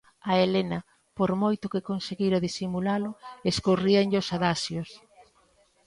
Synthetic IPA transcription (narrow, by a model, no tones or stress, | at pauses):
ɐelenɐ | poɾmojt̪ʊkɪkonseɣiɾaðisimulalʊeskoriaŋʎosaðasjos